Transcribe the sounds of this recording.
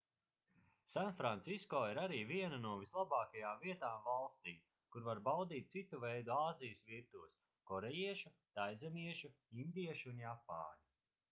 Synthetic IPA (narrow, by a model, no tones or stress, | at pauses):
sanfɾant̪siskɔːiɾaɾiːviɛnanuɔvislˠabaːkajaːmviɛt̪aːmvalˠst̪iːm | kuɾvaɾbawd̪iːt̪̚sit̪uvɛjd̪uaːzijəsviɾt̪uɔs | kɔɾejiɛʃut̪ajzɛmiɛʃu | ind̪iɛʃunjapa̰ːli